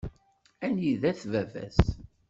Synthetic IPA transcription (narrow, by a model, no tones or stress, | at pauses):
ænjiðæθvævæ̰s